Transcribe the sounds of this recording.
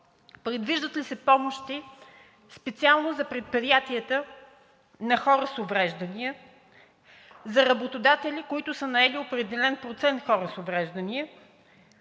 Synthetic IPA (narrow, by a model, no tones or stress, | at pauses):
pɾɛd̪viʒd̪ət̪lisɛpɔmoʃt̪i | spɛt̪sialˠnozɐpɾɛt̪̚pɾijat̪iət̪ə | nɐxɔɾəsovɾɛʒd̪əniə | zɐɾɐbot̪od̪at̪ɛlʲikoit̪ʊsənɐɛliopɾɛd̪ɛlɛnpɾot̪sɛnt̪xɔɾəsovɾɛʒd̪ɐniə